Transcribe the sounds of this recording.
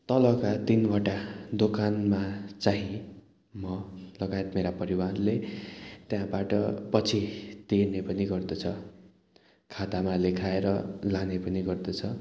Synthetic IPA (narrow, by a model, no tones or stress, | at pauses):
t̪ʌlʌkat̪inbʱaʈad̪okanmat͡saɦĩ | mʌlʌɡajet̪meɾapʌɾiwarlet̪jãbaʈʌpʌt͡sʰit̪enepʌniɡʌrd̪ʌt͡sʰʌ | kʰat̪amalekʰaeɾʌlanepʌniɡʌrd̪ʌt͡sʰʌ